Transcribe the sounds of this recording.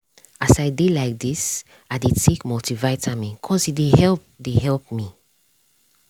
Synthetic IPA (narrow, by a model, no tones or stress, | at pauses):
asaɪdidlaɪk̚dis | aɪdid̚tʰekmɔtivaɪtʰamĩkʰɔzidehɛlp̚deɦɛlp̚mi